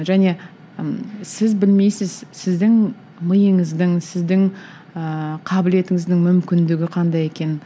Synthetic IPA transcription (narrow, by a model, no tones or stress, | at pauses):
ʒæne̞ | sɪzbɪlmejsɪzsɪzd̪ɪŋ | məjəɴəzd̪əŋsɪzd̪ɪŋ | əqʰɑbɪle̞t̪ɪŋɪzd̪ɪŋmʏmkʲɪnd̪ɪɡʲɪqʰɑnd̪ɑje̞kʲe̞n